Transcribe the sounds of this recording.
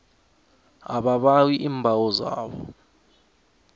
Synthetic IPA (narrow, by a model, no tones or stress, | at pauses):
aɓaɓawiʔiːmbʱawɔza̰ːɓɔ̰